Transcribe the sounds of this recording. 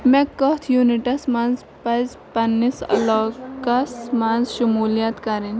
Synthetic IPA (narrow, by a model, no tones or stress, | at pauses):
mɛ̃kɔt̪ʰjuːniʈɐsmɐnz | pɐz | pɐnːisɐ̰lɔːkɐsmanzʃʊmuːlijat̪kɐɾin